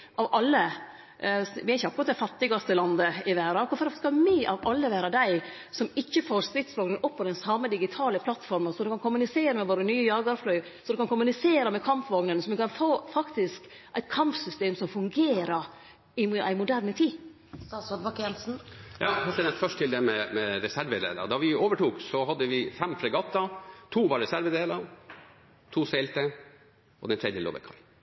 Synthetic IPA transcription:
ʔɑʋʔɑlːə | ʋɪæɪçəɑkɾɑt̪̚d̪æfɑt̪ːɪɡɑst̪əlɑnd̪əɪʋæːɾɑkʊfɾskɑmiːʔɑʋʔɑlːəʋæːɾɑd̪æɪ | sɔmɪçːəfoːɾst̪ɾɪt̪sʋɑːɡnənʔɔpʰːɔd̪ɛnsɑmːəd̪ɪɡɪt̪ʰɑːləpʰlɑt̪fɔɾmənsɔd̪ɛkɑnkʰʊmʉnɪseːɾəmɛʋoːɾənyːəjɑːɡɑɾflœʏsɔd̪ɛkɑnkʊmʉnɪseːɾəmɛkʰɑmpʋɑːɡnənsɔmʋɪkʰɑnfoːfɑkt̪ɪsk | ʔæɪt̪kʰɑmpsʏst̪eːmsɔmfʉŋɡeːɾəɾ | ɪʔæɪmʊd̪æɾnət̪ʰiː | ɑsɔd̪bɑkjɛnsn̩jɑːhɑt̪ːənɛt̪fœʂʈt̪ʰɪld̪ɛmɛmɛɾɛsæɾʋəd̪ḛːlə̰d̪ɑʋɪoːʋəʈuːksɔɦɑd̪ːəʋɪfɛmfɾɛɡɑt̪ːɑt̪ʰuːʋɑɾɛsæɾʋəd̪eːlɑ | t̪ʰuːsɛɪlt̪ə | ɔ̰d̪ɛnt̪ʰɾɛd̪jəlo̰ʋɛ̰kʰɑ̰l

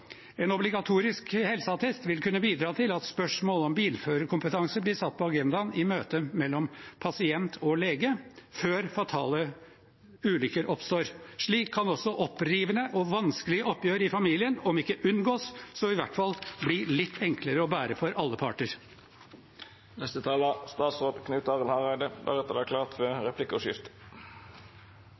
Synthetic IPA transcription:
eːnɔblɪɡɑt̪ʰuːɾɪskhɛlsəɑt̪ʰɛst̪ʋɪlkʰʉnːəbiːd̪ɾɑːt̪ʰɪlɑt̪spœʂmoːlɔmbiːlføːɾəkʰʊmpət̪ʰɑŋsəblɪsɑt̪̚ːpʰɔɑɡɛnd̪ɑnɪmøːt̪əmɛlːɔmpʰɑsɪɛnt̪ʰɔleːɡəføːɾfɑt̪ʰɑ̰ːlə | ʉːlʏkəɾʔɔpst̪oːɾʂɭiːkʰːɑnɔsːɔʔɔpːɾiːʋənəʔɔʋɑnskəlɪɡəʔɔpːjøːɾəɪfɑmiːlɪənɔmɪkːəʔʉnɡoːssɔɪʋæʈfɑlblilɪt̪ʰːɛŋkʰləɾəɔbæːɾəfɔɾʔɑlːəpʰɑʈəɾ | nɛst̪ət̪ʰɑːləst̪ɑːt̪sʁoːd̪kʰnʉːt̪ɑːʁəlhɑʁæɪd̪əd̪æ̰ʁɛt̪ːəd̪æːkʰlɑːʁt̪fɔʁɛpʰlɪkʊʂɪft̪

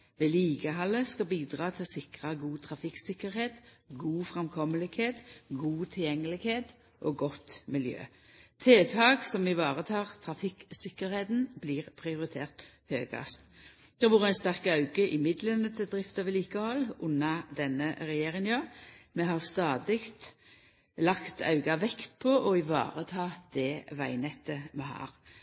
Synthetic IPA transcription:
ʋeːliːɡəɦɑlːəskɑbiːd̪ʁɑːt̪ʰɪlsɪkʁɑɡuːt̪ʰʁɑfɪksɪkəʁheːt̪ɡuːfʁɛmkʰɔməlɪɡ̥heːt̪ɡuːt̪ʰɪljɛŋːəlɪɡheːt̪ | ʔoːɡɔt̪mɪljø̰ː | t̪ʰeːt̪ʰɑːɡsɔmʋɪʋɑːʁət̪ʰɑːʁt̪ʰʁɑfɪksɪkːəʁɾheːt̪n̩bliːʁpʰʁɪʊʁɪt̪ʰeːʁt̪høːɡɑ̰st̪d̪̥ɛʁʋuːʁəæɪnst̪æʁkəɑʉɡəʔɪmɪd̪lənət̪ʰɪd̪ʁɪft̪ɑʋɪliːkəhɔlːʊnɑd̪ɛnːəʁɛjeːɾɪŋnjɑːmɛɦɑʁst̪ɑːd̪ɪkt̪ | lɑkt̪ʰɑ̰ʉɡɑʋɛkt̪pʰɔʔɔɪʋɑ̰ːʁət̪ʰɑːd̪̥ɛʋæɪnɛt̪ːəmɛhɑ̰ːʁ

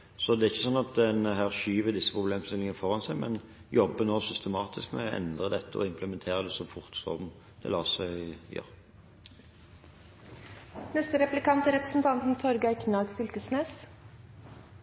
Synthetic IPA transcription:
sɔd̪ɛæʁɪçːəsɔnːɑt̪̚d̪ɛnəɦæːʁʃyːʋəd̪ɪsːəpʰʁʊbleːmst̪ɪlɪŋəfɔʁɑnsæɪmɛn | jɔbːənoːsʏst̪əmɑːt̪ʰɪskmɛ̰ʔɛ̰nd̪ʁəd̪ɛt̪ːəɔ̰ɪmpləmɛnt̪ʰeːʁəd̪ɛsɔfʊʁt̪sɔ̰ʁn | d̪̥ɛ̰lɑːsæɪjø̰ːʁ | nɛst̪əɾɛplɪkɑnt̪əɾɛpɾəsn̩t̪ʰɑnt̪n̩t̪ʰɔɾɡɑɪkʰnɑːɡfʏlk̪əsneːs

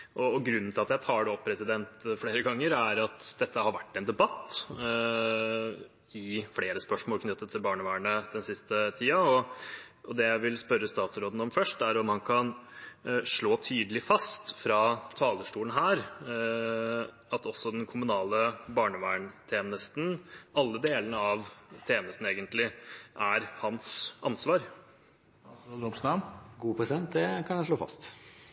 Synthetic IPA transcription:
ʔɔɡɾʉnːnt̪ɪlɑt̪jæɪt̪ʰɑːɖɛɔpʰːɾɛsɪd̪ɛnt̪fleːɾəɡɑŋːəɾæɾɑt̪d̪ɛt̪ːəhɑɾʋæʈːɛnd̪ɛbɑt̪ː | ɪfɽeːɾəspœʂmoːlkʰnʏt̪ːət̪ʰːɪlbɑːɳəʋæːəɳəd̪ɛnsɪst̪ət̪ʰiːɑɔʔɔd̪ɛjæɪʋɪlspœɾːəst̪ɑːt̪sɾoːd̪n̩ɔmfœʂʈæɾɔmɑnkʰɑn | ʂɭoːt̪ʰyːd̪əlɪfɑst̪fɾɑːt̪ʰɑːləʂʈuːlən̩ɦæːɾ | ɑt̪ɔsːɔd̪ɛnkʰʊmʉnɑːləbɑːɳəʋæːɳt̪ʰeːnəst̪n̩ɑlːəd̪eːlənəɑʋt̪ʰeːnəst̪n̩eːɡənt̪lɪʔæɾhɑnsɑnsʋɑːɾ | oːd̪ɔpsɑmɡuːpʰɾɛsɪd̪ɛnt̪̚d̪ɛkʰɑnjɛʂɭoːfɑ̰st̪

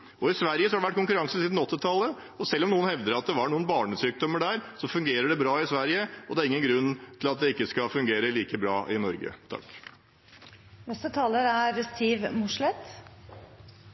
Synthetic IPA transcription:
ɔɪsʋæɾjəsɔhɑɖɛʋæʈ̚ːkʊŋkʉɾɑŋsəsiːd̪n̩ɔt̪ːɪt̪ʰɑlːə | ɔsɛlːɔmnuːənhɛʋd̪əɾɑt̪̚d̪ɛʋɑɳuːənbɑːɳəsyːk̚d̪ɔmːəɖæːɾsɔfʉŋɡeːɾəɖɛbɾɑːɪsʋæɾjəɔd̪ɛæːɾɪŋːənɡɾʉnːt̪ʰɪlɑt̪̚d̪ɛɪkːəskɑfʉŋɡeːɾəliːkəbɾɑːʔɪnɔɾɡə̰t̪ʰɑ̰k | nɛst̪ət̪ʰɑːləɾæɾst̪iːʋmʊʂɭɛt̪

